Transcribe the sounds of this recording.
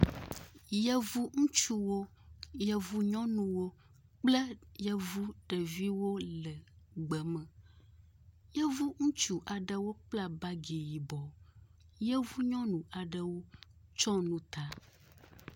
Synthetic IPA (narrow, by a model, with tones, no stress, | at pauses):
jɛ˦vu˦ŋũ˦t͡ʃu˦wo˦ | jɛ˨vu˦ɲɔ̃˦nũ˨wo˦ | k͡plə˦jə˦vu˦ɖə˨vi˦wo˦lə˨ | ɡ͡bə˨mə̃˨ | jə˦vu˦ŋũ˦t͡ʃu˨ʔa˨ɖə˨wo˦k͡pla˦ba˦ɡe˨ji˨bɔ˨ | jɛ˦vu˦ɲɔ̃˦nũ˨ʔa˨ɖə˨wo˦t͡ʃɔ˦nũ˦t̪a˦